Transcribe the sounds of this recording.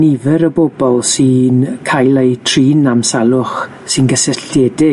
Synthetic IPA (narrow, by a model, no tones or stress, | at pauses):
nivɨɾəbobɔlˠsɨːnkʰajlˠejtʰriːnamsalˠʊχ | sɨnɡəsɛɬɛdɪ